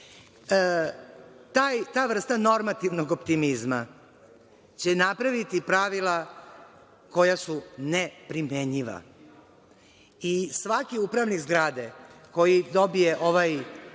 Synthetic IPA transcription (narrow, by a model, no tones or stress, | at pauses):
ə | t̪aːjt̪aːʋr̩st̪ano̞ɾmat̪iʋno̞ɡo̞pt̪imizma | t͡ɕe̞napɾaʋit̪ipɾaʋila | ko̞jasunepɾimeɲiʋa̰ | isʋakiupɾaʋnikzɡɾaːd̪eko̞jid̪o̞bijeʔo̞ʋaj